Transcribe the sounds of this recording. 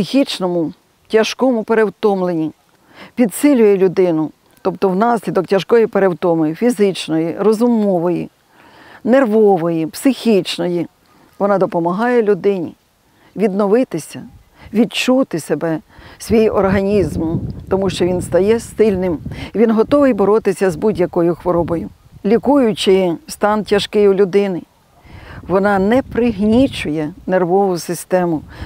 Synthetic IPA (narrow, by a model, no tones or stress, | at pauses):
sɪxʲit͡ʃnɔmʊ | tʲɐʃkɔmʊpeɾewt̪ɔmlˠenʲi | pʲid̪sɪlʲʊjɛlʲʊd̪ɪnʊ | t̪ɔpt̪ɔwnɑsʲlʲid̪ɔktʲɐʃkɔjipeɾewt̪ɔmɔjifʲizɪt͡ʃnɔjirɔzʊmɔʋɔjḭ | nerʋɔʋɔjipsɪxʲit͡ʃnɔji | ʋɔnɑd̪ɔpɔmɐɦɑjɛlʲʊd̪ɪnʲḭ | ʋʲid̪nɔʋɪt̪ɪsʲɐ̰ | ʋʲid̪t͡ʃut̪ɪsebɛsʲʋʲijɔrɦɐnʲizmt̪ɔmuʃt͡ʃɔʋʲinst̪ɐjɛst̪ɪlʲnɪmiʋʲinɦɔt̪ɔʋɪjbɔɾɔt̪ɪsʲɐzbudʲjɐkɔjʊxʋɔɾɔbɔjʊ | lʲikujʊt͡ʃɪst̪ɑntʲɐʃkɪjʊlʲʊd̪ɪnɪ | ʋɔnɑnɛpɾɪɦnʲit͡ʃʊjɛnerʋɔʋʊsɪst̪ɛmʊ